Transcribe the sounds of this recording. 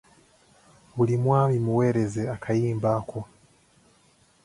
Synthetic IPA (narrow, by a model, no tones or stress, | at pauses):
βulimwaːβimuwe̞ːɾe̞zeakʰajiːmbaːkʰo